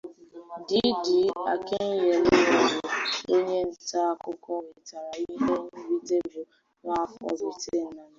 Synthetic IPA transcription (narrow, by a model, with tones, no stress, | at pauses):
di˦di˨a˨kɪ˦n̩˦je˨le˦nɔ˨dʊ˨o˦ɲe˦n̩˨˦ta˦a˦˨kʊ˦kɔ˦˨ŋe˨ta˨ɾa˨i˦ne˦n˦˨ɾi˦te˦bʊ˨ | ŋʷa˦kɔ̰˨dʊ˨te˦˨n̩˦na˨n˦